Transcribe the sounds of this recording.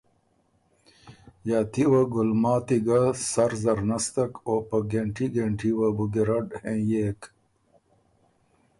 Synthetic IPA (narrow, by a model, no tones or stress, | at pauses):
jaːt̪iwaɡulmaːt̪iɡasɐɾzɐɾnɐst̪ɐkopɐɡeɳʈiɡeɳʈʰiwabuɡiɾɐɖhẽːjeːk